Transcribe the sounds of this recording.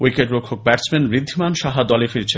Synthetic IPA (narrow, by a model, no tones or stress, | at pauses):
wikeʈbokʰːok̚bɛɾt͡ɕmenbɾid̪ʱːimanʃaɦad̪ɔlefiɾt͡ɕʰe